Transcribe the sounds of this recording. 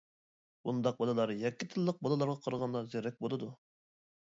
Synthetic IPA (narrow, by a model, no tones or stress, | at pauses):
bund̪ɑq̚bɑlˠɨlˠɑɾjɛkʲːɪt̪ʰɨlˠːəq̚bɑlˠɨlˠɑɾʁɑqʰɑɾəʁɑnd̪ɑzeɾɛk̚ʲbolˠɨd̪u